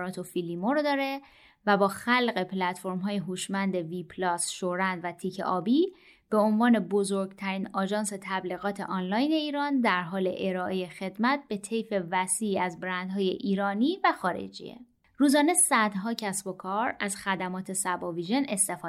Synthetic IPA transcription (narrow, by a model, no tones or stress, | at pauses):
ɾɒːt̪ʰofilimoɾod̪ɒːɾe̞ | væbɒːxælɣe̞pʰlæt̪fo̞ɾmɦɒːjeɦuːʃmænd̪e̞viːpʰlɒːsʃoɾænd̪væt̪ʰiːcʰḛʔɒːbiː | b̥eonvɒːne̞bo̞zoɾɡt̪ʰæɾiːnɒːd͡ʒɒːnse̞t̪ʰæbliɣɒːt̪ʰe̞̰ʔɒnlɒːjne̞iːɾɒːnd̪æɾɦɒːle̞̰ʔeɾɒːʔejexe̞d̪mæt̪̚b̥e̞t̪ʰe̞jfe̞væsiːæzbɾænd̪ɦɒːjḛʔiːɾɒːniːvæxɒːɾḛd͡ʒḭḛ | ɾuːzɒːne̞sæd̪ɦɒːcʰæsbo̞kʰɒːɾæz̥xæd̪æmɒːt̪ʰe̞sæbɒːviːʒe̞ne̞st̪e̞fː